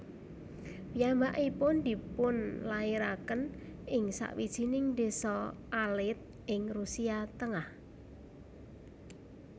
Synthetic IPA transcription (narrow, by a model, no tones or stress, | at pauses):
piambaʔipʊnd̪̥i̤pʊnlaiɾakənɪŋsa̰ʔwid̥ʒ̥inɪŋd̪esɔʔalɪt̪̚ | ʔɪŋrusiat̪əŋah